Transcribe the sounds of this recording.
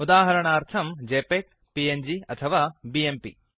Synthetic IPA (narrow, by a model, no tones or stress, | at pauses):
ud̪aːɦɐɾɐɳaːɾt̪ʰɐmd͡ʒeːpek̚ | piend͡ʒiɐt̪ʰɐʋaːbiempḭ